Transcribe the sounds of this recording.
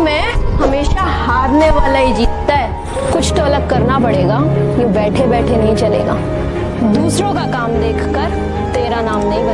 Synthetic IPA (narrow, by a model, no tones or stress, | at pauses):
mɛ̃ːɦɐmeːʃahaːɾneʋaːlaid͡ʒiːt̪ːaɦɛː | kʊt͡ʃʰt̪oɐləɡ̚kɐɾnapɐɽeːɡajõbɛːʈʰebɛːʈʰenɐɦĩt͡ʃɐlḛːɡa̰ː | d̪uːsɾõkakaːmd̪eːkʰkəɾ | t̪eːɾanaːmnɐɦĩmɪ